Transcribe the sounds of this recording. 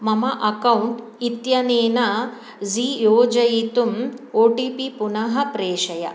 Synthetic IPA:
mɐmɐʔɐkɐwuɳʈ | it̪jɐneːnɐ | zijoːd͡ʒɐjit̪umoːʈipipunɐɦɐpɾeːʂɐjɐ̰

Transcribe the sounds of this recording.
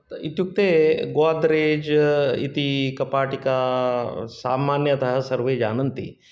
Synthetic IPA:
it̪juk̚t̪eːɡoːd̪ɾeːd͡ʒḭt̪ikɐpaːʈika | saːmaːnjɐt̪ɐɦɐsɐɾʋeːd͡ʒa̰ːnɐnt̪ḭ

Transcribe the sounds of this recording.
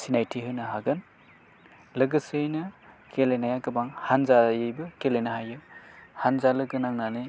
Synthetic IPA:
sinajtʰiɦɯnɐɦaɡɯn | lɐɡɯsɯjnɐ | kʰelejnajakɐbaŋhanzajɯjbɯkelejnɐɦajɯhanzalɯɡɯnaŋnanɯ

